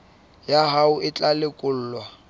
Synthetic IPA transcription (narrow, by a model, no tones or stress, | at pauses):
jaɦaʊɪt͡ɬʼalɪkʼʊl̩ːlwa